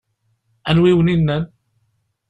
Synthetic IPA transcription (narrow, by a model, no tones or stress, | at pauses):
ʔə̃nwiwninːən